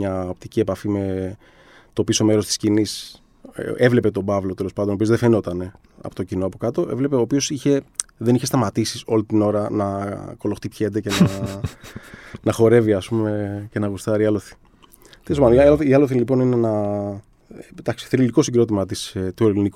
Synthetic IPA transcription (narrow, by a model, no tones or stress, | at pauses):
ɲɐo̞pt̪icie̞pɐfime̞ | t̪o̞piso̞me̞ɾo̞st̪i̥scinis | evle̞pe̞t̪o̞bɐvlo̞t̪e̞lo̞spɐnd̪ono̞pio̞zðefeno̞t̪ɐne̞̰ | po̞t̪ocinoɐpo̞kɐt̪o̞ʔe̞vle̞peoːpio̞siçe̞ðe̞niçe̞st̪ɐmɐt̪isio̞lit̪ino̞ɾɐnɐko̞lo̞xt̪ipçed̪ece̞nɐ | nɐxo̞ɾe̞viɐspume̞ce̞nɐɣust̪ɐɾiɐloθi̥ | t̪elepɐnɐloθiiɐloθilipo̞nine̞nɐ | d̪ɐksi̥θeɾililiko̞siɡɾo̞t̪imɐt̪ist̪ueliniku